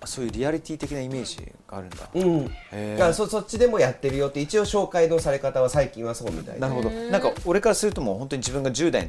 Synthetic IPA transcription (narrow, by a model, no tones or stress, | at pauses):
so̞ːjɯ̟ːɾʲiaɾʲit̪ʲiːt̪e̞kʲinaime̞ːʑḭɡ̥aːɾɯ̟̃nd̪aɯ̃ɴeasoso̞t͡ɕːid̪e̞mo̞jat̪ːe̞ɾɯ̟jo̞t̪ːe̞it͡ɕio̞ɕo̞ːkaino̞saɾe̞kat̪aβasaikʲĩɰ̃βaso̞ːmʲḭt̪a̰ḭnaɾɯ̟ɦo̞d̪onãŋkao̞ɾe̞kaɾasɨɾɯ̟t̪o̞mo̞hõ̞nt̪o̞ɲiʑibɯ̟ŋɡad͡ʑɨːd̪a̰ḭn